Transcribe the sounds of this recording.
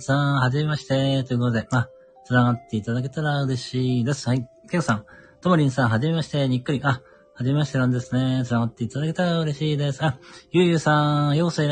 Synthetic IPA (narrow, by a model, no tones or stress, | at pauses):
sãhaʑime̞maɕi̥t̪e̞t̪o̞jɯ̟ko̞t̪od̪e̞ma | t͡sɨnaɡat̪ːe̞it̪ad̪ake̞t̪aɾaɯ̟ɾe̞ɕiːd̪e̞sɨ̥hã | kʲeksãŋt̪omoɾʲĩɰ̃sãɰ̃ɦaʑime̞maɕi̥t̪e̞ɲ̟ikːɯ̟ɾʲiʔa | haʑime̞maɕi̥t̪e̞ɾãnd̪e̞sɨne̞t͡sɨnaɡat̪ːe̞it̪ad̪ake̞t̪aɾaɯ̟ɾe̞ɕiːd̪e̞sɨ̥ajɯːjɯːsãjo̞ːsɨiɾ